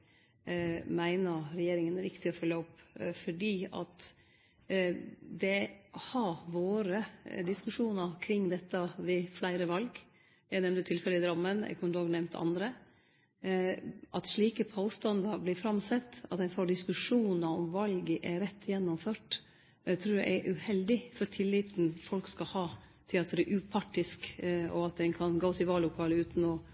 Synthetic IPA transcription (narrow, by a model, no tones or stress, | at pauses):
mæɪnəɾɾɛjeːɾɪŋənæɾʋɪkt̪ɪɔfœlːəɔpːfɔɖiːɑ̰t̪ | d̪ɛhɑʋoːɾəd̪ɪskʉʂuːnɑkʰɾɪŋːd̪ɛt̪ːɑʋɪflæɪɾəʋɑlɡ | jæɪnɛmnt̪ət̪ʰɪlfɛləɪd̪ɾɑmːənɛ̰kʊnloːɡnɛmnt̪ʰɑ̰nd̪ɾə | ʔɑt̪ʂɭiːkəpʰoːst̪ɑnd̪ɑɾblɪfɾɑmsɛt̪ːɑ̰t̪ɛnfoːɖɪskʉʂuːnɑɔmʋɑlɡəʔɛɾɛt̪ʰːjɛnːɔmføːʈ | t̪ʰɾuːɾjɛ̰ɛʔʉhɛld̪ɪfɔɾt̪ʰɪlːiːt̪n̩fɔlkskɑhɑːt̪ʰɪlɑt̪̚d̪ɛɾɛʔʉːpʰɑʈːɪskɔ̰ɑt̪̚d̪ɛnkʰɑnɡoːt̪ɪlʋɑːlʊkʰɑːləʉːt̪nɔ